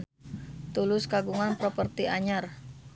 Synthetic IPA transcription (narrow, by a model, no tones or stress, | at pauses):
t̪ulʊskaɡuŋanpɾɔpərt̪iaɲar